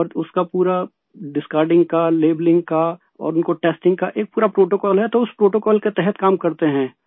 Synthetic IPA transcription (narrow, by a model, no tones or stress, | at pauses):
ɔːɾʊskapuːɾa | ɖɪskaːɾɖɪ̃ŋɡ̚kaleːblɪ̃ŋɡka | ɔ̰ːɾʊnkoʈeːsʈɪ̃ŋɡkaʔeːk̚puːɾapɾoːʈoːkɔːlɦɛt̪oʊspɾoːʈoːkɔːlket̪ɛɦɛt̪kaːmkɐɾt̪eɦɛ̃ː